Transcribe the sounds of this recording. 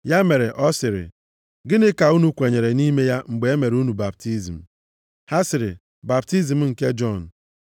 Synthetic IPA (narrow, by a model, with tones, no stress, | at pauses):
ja˦me˨ɾe˨ʔɔ˦sɪ˨ɾɪ̰˨ | ɡɪ˦nɪ˦ka˨u˦nu˦kʷe˨ɲe˨ɾe˨ni˦me˦ja˦ŋ͡m̩˨ɡ͡be˨e˦me˨ɾu˦nu˨ba˨b̚ti˦zi˨m̩˨ | ha˦sɪ˨ɾɪ̰˨ | ba˨bti˦zi˨m̩˦ŋ̩˨ke˦d͡ʒɔ˦˨n̩˨